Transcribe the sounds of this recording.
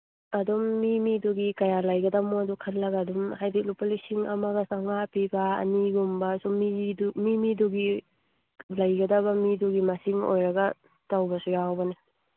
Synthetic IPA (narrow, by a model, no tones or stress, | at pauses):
ɐdumːimiduɡikɐjalɐjɡɐdamodukʰɐt̚lːɐɡaːdumhajbit̚lupalisiŋɐ̰mɐɡɐsaŋapibɐɐ̰niɡumbɐsumidumimiduɡi | lɐjɡɐdɐβɐmiduɡimɐsiŋo̰jɾɐɡɐ | tawbɐsujawbɐne